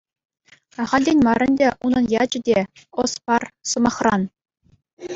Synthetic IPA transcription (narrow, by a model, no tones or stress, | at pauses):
ɑʁɑlʲdʲenʲmɑrʲɘ̆nʲdʲeʔunɤ̆njɑd͡ʑɘ̆dʲe | ospɑrsɤ̆mɑχrɑn